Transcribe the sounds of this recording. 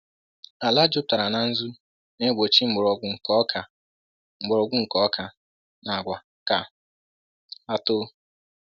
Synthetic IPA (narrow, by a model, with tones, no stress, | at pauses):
a˨la˦d͡ʒʊ˦p̚ta˨ɾa˨na˨n̩˦zu˦ | ne˦ɡʷo˨t͡ʃi˦ŋ͡m̩˨ɡ͡bʊ˨ɾɔ˨ɡʷʊ˨ŋ̩˨kɔ˦kʰa˨ | ŋ͡m̩˨ɡ͡bʊ˨ɾɔ˨ɡʷʊ˦ŋ̩˨kɔ˨˦kʰa˨ | na˨ɡʷa˨ | ka˨ | a˦to˦